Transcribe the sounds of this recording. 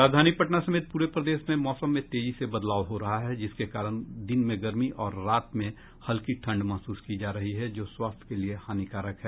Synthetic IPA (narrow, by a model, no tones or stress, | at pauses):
ɾaːd͡ʒd̪ʱaːnipɐʈnasɐmeːt̪̚puːɾepɾɐd̪eːʃmẽmɔːsəmːẽt̪eːd͡ʒisebɐd̪laːwɦoɾɐɦaɦɛd͡ʒɪskekaːɾəɽ̃d̪ɪnmẽɡɐɾmiʔʔɔːɾːaːt̪mẽ | hɐlkiʈʰɐ̃ɳɖmɐɦsuːskid͡ʒaːɾɐɦiɦɛd͡ʒoːswaːst̪ʰkeliehaːnikaːɾəkɦɛː